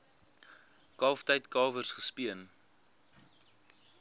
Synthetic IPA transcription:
kɑːftɛjtkɑːvərsχəspiən

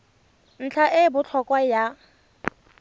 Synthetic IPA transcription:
n̩t͡ɬʰaʔɪbʊt͡ɬʰɔkʼwaja

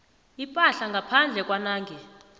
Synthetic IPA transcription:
ipʼaɬaŋɡʱapʰand͡ɮʱɛkʼwanaːŋɡʱɛ

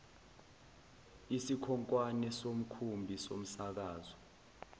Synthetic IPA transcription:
isikʰɔŋkʼwanɛsom̩kʰumbʱisom̩sak̬aːzɔ

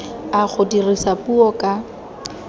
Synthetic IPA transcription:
ak͡xʰodirisapuɔkʼa

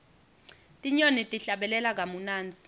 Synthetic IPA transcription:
tʼiɲonitʼiɬaɓɛlɛlak̬amunaːnd͡zʱi

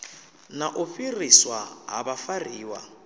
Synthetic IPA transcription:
naʔʊfiriswaɦa̰bafariːwa̰

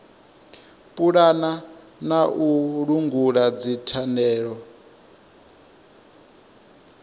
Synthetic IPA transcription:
pʼuɺana | naʔuɺuŋɡuɺad͡zitʰanɛːɺɔ

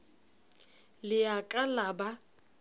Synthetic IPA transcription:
lɪakʼalaba

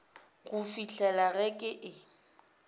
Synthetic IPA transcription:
ɣufiɬʰɛlaɣɛkʼɪʔɪ

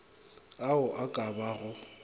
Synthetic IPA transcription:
aʊʔakʼabaɣʊ

